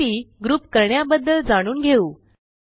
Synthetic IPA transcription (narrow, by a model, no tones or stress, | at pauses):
iːɡɾuːpkəɾɳjabəd̪ːəld͡zaɽ̃uːnɡʱeuː